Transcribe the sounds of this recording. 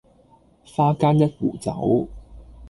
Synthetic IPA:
faː˥kaː˥njɐ˥t̚wṵː˨˩t͡sɐ̰˨˥w

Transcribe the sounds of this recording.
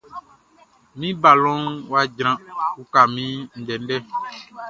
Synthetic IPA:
mĩ˦ba˨lɔ̃˦ŋwa˦d͡ʒɾ̃ã˨u˦ka˨mĩ˦n̩˨ɖɛ˨n̩˦ɖɛ˦

